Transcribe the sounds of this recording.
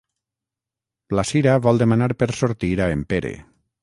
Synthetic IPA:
lasiɾaβɔlˠd̪emanaɾpeɾsoɾt̪iɾaempeɾḛ

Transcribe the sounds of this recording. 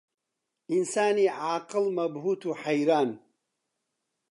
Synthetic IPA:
ʔinsaːniʕaːqɨlmɐbɦuːt̪ʰuħajɾaːn

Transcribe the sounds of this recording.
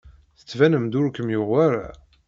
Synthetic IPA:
θə̥t͡sːvænəmd̪ʊɾkəmjʊʁaɾa̰

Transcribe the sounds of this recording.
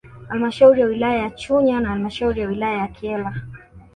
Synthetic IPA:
halimaʃauɾijawilajajat͡ʃuɲanahalimaʃauɾijawilajajakʰiɛla

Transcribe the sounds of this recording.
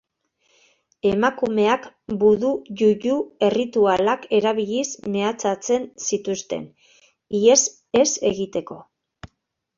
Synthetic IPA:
e̞makume̞akbuðuʝuʝue̞rit̪ualake̞ɾaβiʎisme̞at͡sat͡se̞nsit̪ust̪e̞̰n | ies | e̞se̞ɣit̪e̞ko̞

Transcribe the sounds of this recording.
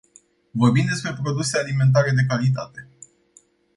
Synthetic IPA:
vo̞rbimd̪e̞spɾe̞pɾo̞d̪use̞alime̞nt̪̬aɾe̞d̪e̞kalit̪̬a̰t̪e̞

